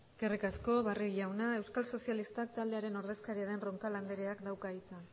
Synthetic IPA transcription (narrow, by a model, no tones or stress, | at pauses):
kerikasko̞βariʝawnae̞wskalso̞sialist̪ak̚t̪ald̪e̞aɾe̞no̞ɾðe̞skaɾiaðe̞nro̞ŋkaland̪eɾe̞akd̪awkait͡sa